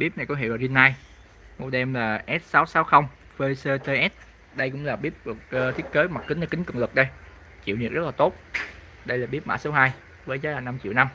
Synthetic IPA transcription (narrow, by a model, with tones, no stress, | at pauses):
ɓi˦˥p̚na˨˩jkɔ˨˦ɦḛi˧˨wlaː˨˩zi˧nːaː˧j | mo˨˩t̚ɗɛ˧mlaː˨˩ʔɛ˦˥t̚saː˨˦wsaː˨˦wxə˧wŋ͡m | fe˧səː˧t̪eː˧ʔɛ˦˥t̚ | ɗə˧jkʊ̰˧˥ŋ͡mlaː˨˩ɓi˦˥əp̚ku˨˩k̚ːt̪ʰi˦˥ət̚keː˨˦ma˨˩t̚kï˨˦ŋ̟a˧kï˨˦ŋ̟kɨ̰˧˩wŋ͡mlɨ˨˩k̚ɗə˧j | t͡ɕḭ˧˨wni˨˩əkzə˦˥t̚laː˨˩t̪o˦˥t̚ | ɗə˧jlaː˨˩ɓi˦˥əp̚ma̰ː˧˥so˨˦wɦaː˧j | vəː˨˦jzaː˨˦jlaː˨˩na˧mt͡ɕḭ˧˨wna˧m